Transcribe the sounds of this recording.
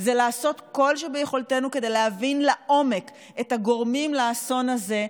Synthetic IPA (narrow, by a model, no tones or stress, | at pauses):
zelaːso̞tko̞lʃebejeχo̞lte̞nuke̞d̪e̞jleɦavinlaʔo̞me̞k | etaɡo̞ʁmimlaːso̞naze̞